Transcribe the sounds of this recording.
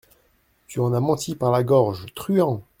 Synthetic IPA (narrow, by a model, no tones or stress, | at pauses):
t̪yɑ̃namɑ̃t̪ʰipaʁlaɡɔʁʒt̪χyɑ̃